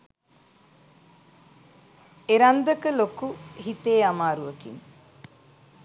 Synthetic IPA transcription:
eɾand̪əkəlokuɦit̪eːamaːɾuʋəkḭn

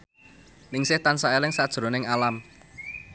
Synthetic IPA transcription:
nɪŋsɪht̪ansaelɪŋsad̥ʒ̥ɾo̤nɪŋalam

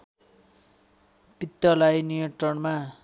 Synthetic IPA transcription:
pit̪ːʌlajnijʌʈrʌɳma

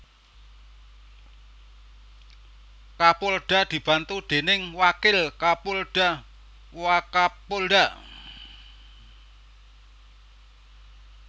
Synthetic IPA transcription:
kapʊlɖ̥a̤d̪̥i̤b̥a̤nt̪ud̪̥e̤nɪŋwakɪlkapʊlɖ̥a̤ | wakapolɖa̤

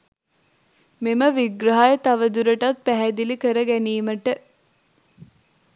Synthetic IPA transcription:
meməʋiɡɾaɦajət̪aʋəd̪uɾəʈat̪̚pæɦæd̪ilikəɾəɡæniːməʈə

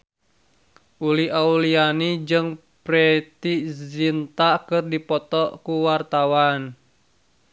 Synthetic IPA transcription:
ʔuliaulianid͡ʒɨŋ | pɾɛt̪izint̪akɨrdipɔt̪ɔʔkuwart̪awan

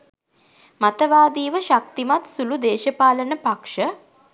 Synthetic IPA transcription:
mat̪əʋaːd̪iːʋəʃak̚t̪imat̪sulud̪eːʃəpaːlənəpakʂə

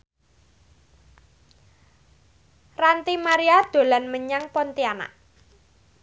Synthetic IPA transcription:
rant̪imaɾiad̪̥o̤lanməɲaŋpɔnt̪iana̰ʔ

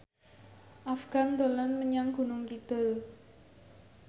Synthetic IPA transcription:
ʔafɡ̥a̤nd̪o̤lanməɲaŋɡ̥ṳnʊŋkid̪̥ʊ̤l

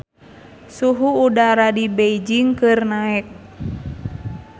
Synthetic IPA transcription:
suɦuːdaɾadibeid͡ʒiŋkɨrnaɛk̚

